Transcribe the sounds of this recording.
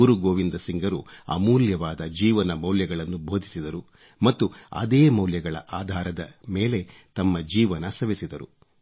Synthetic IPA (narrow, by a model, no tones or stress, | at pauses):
uɾuɡoːʋind̪ɐsiŋɡɐɾuɐ̰muːljɐʋaːd̪ɐd͡ʒiːʋɐnɐmɐwljɐɡɐɭɐnːubʱo̞ːd̪ʱisid̪ɐɾu | mɐt̪ːuɐ̰d̪eːmɐwljɐɡɐɭɐ̰ʔaːd̪ʱaːɾɐd̪ɐme̞ːle̞t̪ɐmːɐd͡ʒiːʋɐnɐsɐʋisid̪ɐɾṵ